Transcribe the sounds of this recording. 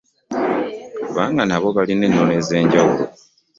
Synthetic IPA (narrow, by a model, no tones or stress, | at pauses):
kuβaːŋɡanaβo̞βaline̞nːo̞ne̞ze̞ːɲɟawulo̞̰